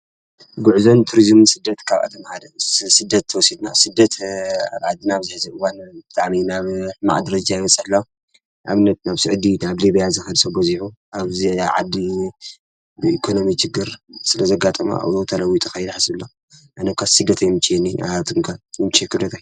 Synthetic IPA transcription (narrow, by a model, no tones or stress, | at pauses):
ɡuʕzont̪ʰuɾizmnsɨd̪ːɐt̪kʰaβʔa̰t̪ʰɐmhad̪ɐsɨd̪ɐt̪ʰːɨwɔsid̪nasɨd̪ɐt̪a̰βʕad̪ːinaβzɨħɨzɨɨwanbɨt̪ʼaʕminaβħɨma̰ʕd̪ɐɾɐd͡ʒajɪwɐt͡sʼɐħlːaw | ʔa̰βɨnːɐt̪̚naβsɨʕd̪inaβlibijazɨxɨd̪sɐboziħuʔaβziʕad̪ːi | bɨikʰono̞mit͡ʃɪɡːɨɾsɨlɐzɐɡat̪ʼɐma̰ʔa̰wot̪ʰɐlɐwit̪ʼʰɨxɐjɛd̪ħasɨlːo | ʔanɐkʰasɨd̪ːɐt̪ʰajmɨt͡ʃʼiɛnːiat̪ʰɨŋkʰajɪmt͡ʃʰʼekɨlot̪ʰaj